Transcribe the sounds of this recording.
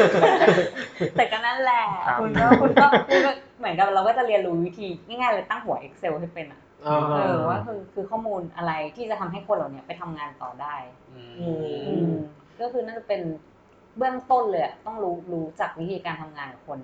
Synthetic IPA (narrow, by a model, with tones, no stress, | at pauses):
t̪ɛ˨˩ka˧na˥˩˨nlɛ˨˩u˧nɔ˥˩kʰu˧nkɔː˥˩kʰu˧nkɔ˥˩ | mɯ˩˦ənka˨˩p̚ɾa˧wkɔ˥˩t͡ɕa˨˩li˧ənɾuː˦˥wi˦˥t̪ʰiː˧ŋa˥˩jŋaː˥˩jlɤː˧jt̪a˥˩ŋɦu˨˩˦ɐʔe˦˥k̚se˧wha˥˩jpe˧nʔa˨˩˧ | ʔɤː˧˨˩waː˥˩kʰɯː˧kʰɯː˧kʰɔː˥˩muː˧nʔa˧ɾa˧jt̪ʰiː˥˩t͡ɕa˨˩t̪ʰa˧mɦa˥˩jkʰo˧nla˨˩wni˦˥ɐpa˧˩jt̪ʰa˧mŋaː˧nt̪ɔ̰ː˨˩daː˥˩j | ɯ˧ʔɯː˧ | kɔ˥˩kʰɯː˧na˥˩nt͡ɕa˨˩pe˧n | bɯ˥˩əŋt̪o˥˩nlɤː˧ja˨˩t̪ɔ˥˩ŋɾuː˦˥ɾuː˦˥t͡ɕa˨˩k̚wi˦˥t̪ʰiː˧kaː˧nt̪ʰa˧mŋaː˧na˨˩kʰo˧n